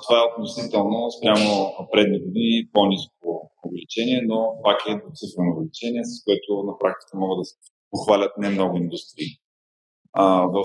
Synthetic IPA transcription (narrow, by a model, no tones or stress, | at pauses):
t̪ovaɛot̪nosit̪ɛlˠnospɾʲamopɾɛd̪niɡod̪iniponisk̚ʊʊvɛlit͡ʃɛnʲiɛnopakɛd̪ot̪sɨfɾɛnoʊvɛlit͡ʃɛniɛsə̥skoɛt̪ʊnɐpɾak̚t̪i̥kəmɔɡəd̪ɐsɛ̥ | poxvalʲət̪̚nɛmnɔɡʊind̪ust̪ɾiː | əvə